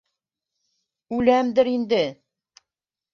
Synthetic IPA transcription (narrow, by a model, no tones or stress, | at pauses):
ʉlæmd̪ɘɾind̪ɘ